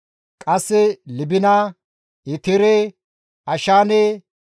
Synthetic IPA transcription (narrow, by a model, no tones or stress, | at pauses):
kʼɐsːɛlɪbɪnɐ | ɪt̪ɪɾɛ | ɐʃaːne